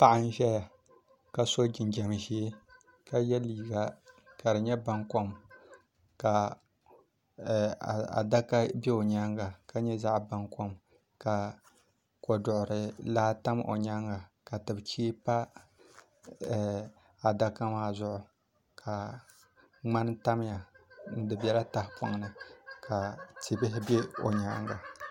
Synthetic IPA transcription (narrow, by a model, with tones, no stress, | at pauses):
pa˦ʔɪ˦n˦ʒɛ˦ja˨ | ka˦so˦d͡ʒɪ˨nd͡ʒɛ˨m˨ʒeː˦ | ka˦jɛ˦liː˨ɡa˨ | ka˨dɨ˨ɲɛ˦ba˦ŋko˦m | ka˨ | a̰˨da˦ka˦bɛ˦o˨ɲa˦ŋɡa˨ka˦ɲɛ˦za˦ʔba˦ŋko˦m | ka˨ | ko˨dʊ˨ʔʊ˨ɾɨ˨laː˦ta˦mʔo̰˨ɲa˦ŋɡa˨ka˨tɨ˨bt͡ʃiː˦pa˦˨ | a˨da˦ka˦maː˦zʊ˦ʔʊ˨ | kʰa˨ | ŋ͡ma˦n˦ta˦m˦ja˨n̩˦dɨ˨bɛ˨˦la˦ta˦hpa̰˨˦ŋnɨ˨ka˨ti˨bɪ˦ɦɪ˦bɛ˦o̰˨ɲa˦ŋɡa˨